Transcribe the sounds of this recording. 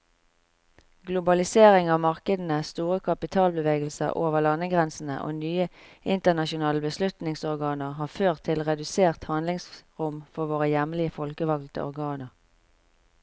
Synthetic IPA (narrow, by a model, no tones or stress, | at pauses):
ɡlʊbɑlɪseːʁɪŋɑːʋmɑʁkəd̪n̩əst̪uːʁəkʰɑpɪt̪ʰɑːlbəʋeːɡəl̩sə̰ʁʔo̰ːʋəʁlɑnːəɡʁɛnsn̩ə̰ʔo̰ːnyːəʔɪnt̪ənɑʃʊnɑːləbəslʉt̪nɪŋsɔʁɡɑːnəʁɦɑːføːʁt̪ʰːɪlʁɛd̪ʉseːʁt̪hɑnlɪŋsʁʊmfɔʋoːʁəjɛmlɪəfɔlkəʋɑɡlt̪ə̰ʔɔ̰ʁɡɑːnəʁ